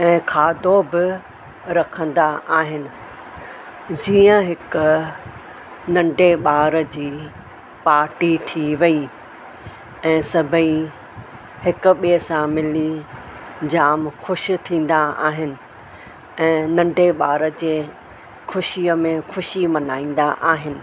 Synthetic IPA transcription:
ɛ̃ːkʰaːd̪obɪ | ɾɐkʰə̃nd̪aʔaːɦɪnɪ̆ | d͡ʑiːə̃ɦɪkʊ | nɐ̃ɳɖʱeɓaːɾəd͡ʑiː | paːɾʈit̪ʰiʋɐi | ɛ̃ːsɐbʱəi | hɪkʊ̆ɓisãmɪli | d͡ʑaːmxʊʃ̆t̪ʰĩːn̆d̪aa̰ːɦɪnɪ̆ | ɛ̃ːnɐ̃ɳɖeɓaːɾəd͡ʑeː | xʰʊʃiəmẽxʊʃimɐnaːĩːn̆d̪aʔaːɦɪnɪ̆

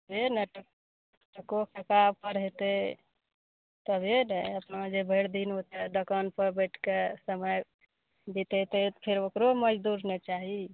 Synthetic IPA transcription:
benɛʈə | ʈəkokʰekab̚pəɾɦet̪e | t̪əbenɛəpnad͡ʒebʱeɽd̪inɦot̪ed̪əkənpəɾbəʈʰkesəməj | d̪it̪et̪et̪pʰeɾokɾoməd͡ʒd̪uɾnɛt͡ʃaɦi

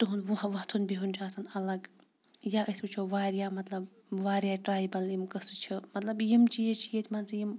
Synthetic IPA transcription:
t̪uɦunʋuʋɐɦt̪ʰunbiɦunʲt͡ʃʰaaːsɐnɐlɐɡ | jaʔɐsut͡ʃʰoʋaːɾijaːmɐt̪lɐb | ʋaːɾjaːʈɾaːjbɐlimkɐsɨt͡ʃʰimɐt̪lɐbjimt͡ʃʰijet͡ʃʰijet̪ʰʲmɐnsijim

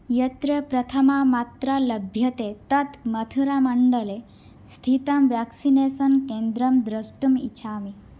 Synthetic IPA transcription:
jɐt̪ɾɐpɾɐt̪ʰɐmamat̪ɾalɐbʱjɐt̪et̪ɐt̪mɐt̪ʰuɾamɐɳɖɐle | st̪ʰit̪ɐmʋaksinesɐnkẽnd̪ɾɐmd̪ɾɐsʈumḭt͡ʃʰaːmi

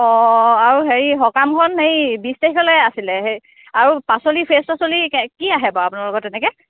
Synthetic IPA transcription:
ɔaɹuɦeɹiɦɔkamkʰɔnhejbistehkɔlɛasilɛɦe | aɹupasolipʰestasoliɛkiaɦɛbɔapunaɹlɔɡɔtːɛnɛkɛ

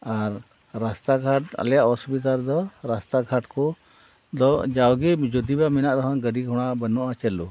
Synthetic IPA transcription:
aɾː | ast̪aɡʱaʈa̰ljaʔɔsbit̪̬aɾd̪ɔɾast̪aɡʱaʈkɔ | d̪ɔd͡ʒawɡid͡ʒɔd̪ibaminaʔɾɔɦɔnɡəɖiɡʱɔɽ̃aʔbənɔʔat͡ʃɛlu

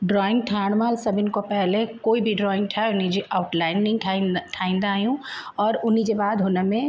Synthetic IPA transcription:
ɖɾɔːɪ̃ŋɡʈʰaːɽ̃malsəbɪnkopɛɦlekoːibʱiɖɾɔːɪ̃ŋɡʈʰaʊnid͡ʒeʔaʊʈlaːɪnːĩŋʈʰaʈʰaːɪ̃nd̪aaːjũɔːɾʊnid͡ʒebaːd̪ɦoːnemẽ

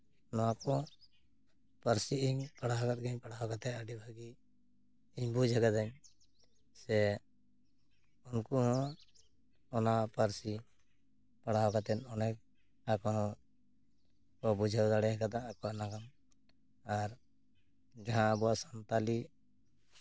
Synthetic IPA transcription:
nɔakɔ̃ | pəɾsiiɲpaɽaɦɔkat̪̚ɡaɲpaɽaɦɔkat̪ɛaɖibʱaɡi | iɲbud͡ʒʱɛɡad̪aɲ | sɛ | unkuɦɔ̃ | ɔnapəɾsi | paɽaɦɔkat̪ɛnɔnɛk | akɔɦɔ̃ | kɔbud͡ʒʱawd̪aɽɛɦɛkad̪ãakɔanaɡam | aɾ | d͡ʒaɦãəbɔasant̪ali

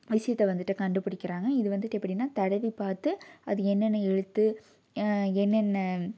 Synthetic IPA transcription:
ʋɪʂɐjɐt̪ːɛʋɐnd̪ɯʈːɯkɐɳɖɯpɪɽɪkːɪɾaːŋɡɐɪðɯʋɐnd̪ɯʈːɛpːɐɽinːaːt̪ɐɽɐʋipaːɾt̪ɯɐðɯɛnːɛnːɐɛɻɯt̪ːɯ | ɛnːɛnːɐ

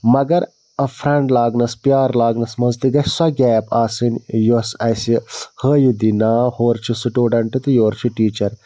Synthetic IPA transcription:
mɐɡɐɾ | ɐfʰɾɐɳɖlaːɡnɐspijaːɾlaːɡnɐsmɐnzt̪iɡɐt͡ʃsɐɡʲɛːbaːsinjosɐsihəːjud̪inaːhoːɾt͡ʃʰisiʈuːɖɐɳʈɨt̪joːɾt͡ʃʰiʈiːt͡ʃɐɾ

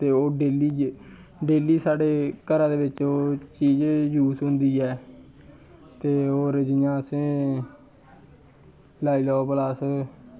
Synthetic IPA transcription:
t̪eːoːɖeːliː | ɖeːliːsaːɖeːkəɾãːd̪eːʋɪt͡ʃoːt͡ʃiːd͡ʒjuːsɦʊ̃nd̪iːɛː | t̪eːoːɾəd͡ʒɪːjãːsẽː | laːiːlɔopəlaːs

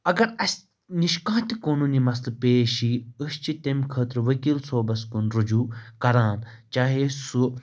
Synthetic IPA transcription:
ɐɡɐɾɐsʲ | niʃkãːt̪ʲikoːnuːnimɐs̬lpeːʃiɨst͡ʃit̪emʲkʰəːt̪ɾʋɐkiːlsoːbɐskunɾud͡ʒuːkɐɾaːn | t͡ʃaːɦesu

